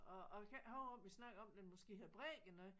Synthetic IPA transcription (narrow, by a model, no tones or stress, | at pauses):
ɒɒ̽kʰæhɔʊb̥ɒ̽mʋisnɑ̈ɡ̥ɐɒ̽md̥enmɔsɡ̥e̝̰ːheðˠb̥ʁɛ̰ɡ̥ənɔ